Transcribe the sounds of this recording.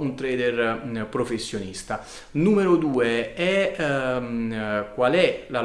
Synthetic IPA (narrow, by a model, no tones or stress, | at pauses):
unt̪ɾɛːd̪erpɾofesːjonist̪a | numeɾod̪uːeɛ | kwalɛla